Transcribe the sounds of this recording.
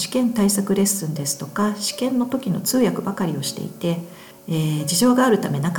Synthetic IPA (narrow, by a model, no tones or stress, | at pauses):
ɕi̥kẽ̞nt̪aisakɯ̟ɾe̞sːɨ̃nd̪e̞sɨ̥t̪o̞kaɕi̥kẽ̞nːo̞t̪o̞kʲino̞̰t͡sɨːjakɯ̟bakaɾʲio̞ɕi̥t̪e̞̰it̪e̞ː | d͡ʑiʑo̞ːɡaːɾɯ̟t̪ame̞nak